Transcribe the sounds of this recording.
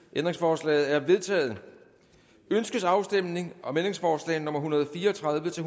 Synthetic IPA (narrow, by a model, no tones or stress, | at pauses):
ʔend̥ʁe̝ŋsfɒːslɛ̰ːð̩ˠæɐʋe̝ð̞ˠt͡sʰɛ̰ːð̞̩ˠ | ønsɡ̥əsɑ̈ʊsd̥em̰ne̝ŋʔɒ̽mendʁeŋsfɒːslɛ̰ːɪnɔ̽m̰ɐɦunɐð̞ˠfiːɐɒt͡sʰʁɑ̈ðˠʋət͡sʰe̝